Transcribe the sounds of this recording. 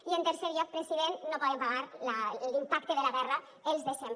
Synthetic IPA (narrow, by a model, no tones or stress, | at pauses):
ient̪eɾseɾʎɔk̚pɾesiðennopɔðempaɣaɾlalimpak̚t̪eðelaɣɛrə | elˠzðesem